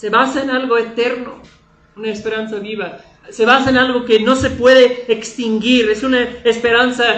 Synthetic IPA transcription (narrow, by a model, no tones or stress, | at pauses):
se̞βasaenalɣo̞e̞t̪e̞ɾno̰ | unaespe̞ɾansaβiβa | se̞βasaenalɣo̞keno̞se̞pwe̞ðe̞ːkst̪iŋɡiɾe̞sunaespe̞ɾansa